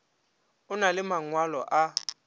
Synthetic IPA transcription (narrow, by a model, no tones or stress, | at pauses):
ʊnalɪmaŋwalɔ̰ʔa